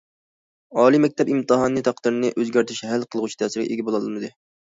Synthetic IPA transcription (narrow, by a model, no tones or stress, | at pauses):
ɑːlˠimɛk̚ʲt̪ʰɛpimt̪ɨɦɑnːɨt̪ʰɑq̚d̪ɨɾnɨʔøzɡʲæɾt̪ʰɪʃɦælqʰəlˠʁʊt͡ʃʰi̥t̪ʰɛːsɪɾɡʲɛʔeɡʲɛbolˠɑlˠmɨd̪ɨ